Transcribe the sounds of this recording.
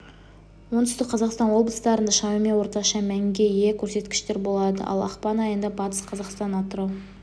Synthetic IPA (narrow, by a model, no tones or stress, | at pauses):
wont̪ʏ̥st̪ɪk̚qʰɑzɑqst̪ɑnwo̞blˠəst̪ɑɾənd̪ɑʃɑmimewo̞ɾt̪ɑʃɑmæŋɡʲe̞jekʲʰɵɾse̞t̪kʲɪ̥ʃt̪e̞ɾbo̞lˠɑd̪ə̰ʔɑ̰lˠɑ̰qpɑnɑjənd̪ɑbɑt̪ə̥sqʰɑzɑqst̪ɑnːɑt̪əɾɑw